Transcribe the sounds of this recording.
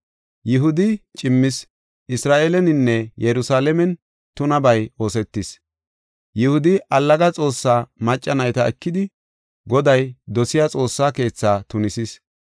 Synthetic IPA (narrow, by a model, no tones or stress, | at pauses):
jɪɦʊd̪ɪt͡ʃʼɪmːɪs | ʔɪsɾaːʔeːlɛnɪnːɛjɛɾʊsaːlɛmɛn | t̪ʊnɐbɐjo̞ːsɛt̪ːɪs | jɪhʊd̪ɪʔɐlːɐɡɐt͡sʼo̞ːsːaːmɐt͡ʃʼːɐnɐjt̪ɐɛkːɪd̪ɪ | ɡɔd̪ɐjd̪ɔsɪjat͡sʼo̞ːsːaːke̞ːt͡sːaːt̪ʊnɪsis